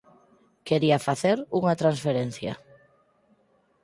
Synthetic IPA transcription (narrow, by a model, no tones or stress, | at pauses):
keɾiafaθeɾuŋat̪ɾansfeɾen̟θjɐ̰